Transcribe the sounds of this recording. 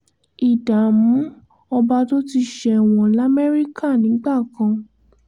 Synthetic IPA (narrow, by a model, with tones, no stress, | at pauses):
i˨da˨mũ˨˦ | ɔ˧ba˧to˦ti˧ʃɛ˧˨w̃ɔ̃˨la˦mɛ˦ɾi˦ka˦˨nĩ˨˦ɡ͡ba˦˨kã˧